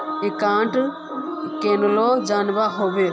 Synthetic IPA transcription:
ikãːɳʈ | keːnloːd͡ʒaːnbaɦoːbe

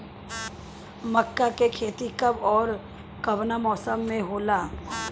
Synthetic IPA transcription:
mɐkːakekʰeːt̪ikɐbɔːɾ | kɐʋnamɔːsəmːẽɦoːlaː

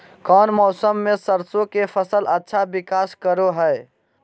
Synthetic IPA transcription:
kɔːnmɔːsəmːesəɾsõkepʰəsələtːʃʰabikaːskəɾoɦəe

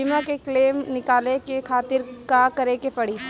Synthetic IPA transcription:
ɪmãkekleːmnɪkaːlekekʰaːt̪ɪɾkakɐɾekepɐɽi

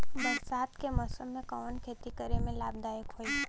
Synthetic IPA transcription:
bəɾsaːt̪kemɔːsəmːẽkɔʋənkʰeːt̪ikəɾemẽlaːb̚d̪aːjəkɦoːi

